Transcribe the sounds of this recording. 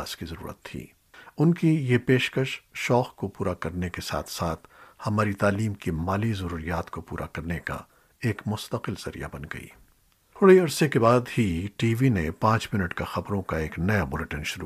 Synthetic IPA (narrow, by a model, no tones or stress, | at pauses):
aːskizɐɾṵːɾə̰t̪ʰːḭː | ʊnkijepeːʃkəʃʃɔːxkopuːɾakɐɾnekesa̰ːt̪ʰsaːt̪ʰhɐmaːɾit̪aːliːmkimaːlizɐɾuːɾijaːt̪kopṵːɾʔa̰kɐɾneka̰ | eːkmʊst̪əqɪlz̥ɐɾḭja̰bɐnɡɐ̰ḭː | t̪ʰʊɽeɐɽsekebaːd̪hiʈiːʋinẽpãːt͡ʃmɪnəʈkaxɐbɾõkaeːknɐjabʊleʈənʃʊɾu